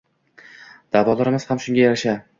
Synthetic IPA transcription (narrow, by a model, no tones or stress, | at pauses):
d̪̥avɒlˠɒɾɪmɪz̥hamʃʊŋɡʲajaɾaʃa